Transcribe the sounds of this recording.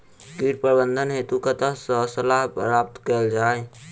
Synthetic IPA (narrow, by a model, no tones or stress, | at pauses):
kiːʈ̚pəɾbənd̪ʱənɦeːt̪ukət̪əɦsɔsəlaɦpɾaːp̚t̪kəld͡ʒaːe